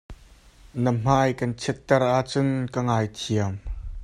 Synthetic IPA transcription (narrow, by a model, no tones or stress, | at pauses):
nəm̥aːjkɐnt͡sʰɛt̪ːɛrʔaʔt͡sʊnkəŋajt̪ʰiəm